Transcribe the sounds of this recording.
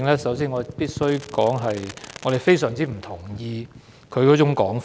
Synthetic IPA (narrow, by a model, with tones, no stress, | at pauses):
ŋlɛː˥sɐ˨˥ws̬iː˥nŋɔ˨˧˨piː˥t̚sɵ˥ɥkɔː˨˥ŋɦɐ˨jŋɔː˨˧ɾe˨jfe˥jsœː˨˩ŋt͡siː˥m̩˨˩t̪ʰʊ˨˩ŋjiː˧ | kʰɵ˨˧ɥkɔː˨˥t͡sʊ˨˥ŋkɔː˨˥ŋf